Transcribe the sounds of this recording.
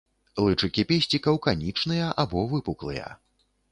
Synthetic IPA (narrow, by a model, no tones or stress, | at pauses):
lˠɨt͡ʂɨkʲipʲesʲt͡sʲikɐwkanʲit͡ʂnɨjɐʔabɔvɨpuklˠɨjɐ̰